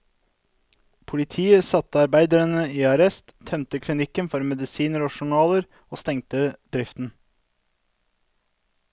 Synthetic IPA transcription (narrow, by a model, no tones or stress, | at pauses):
pʰʊlɪt̪ʰiːəsɑt̪əɑɾbæɪd̪əɾənəiːɑɾɛst̪t̪ʰːœmt̪əkʰlɪnɪkːənfɔɾmɛd̪ɪsiːnəɾoːʃʊɳɑːləɾ | oːst̪ɛŋt̪əd̪̥ɾɪft̪n̩